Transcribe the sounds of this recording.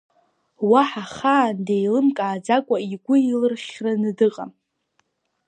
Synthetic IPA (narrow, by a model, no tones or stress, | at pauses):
waħaχaːndejlɨmkʼaːd͡zakʷʼaiɡʷʊilɨrχʲranɨdɨqʼa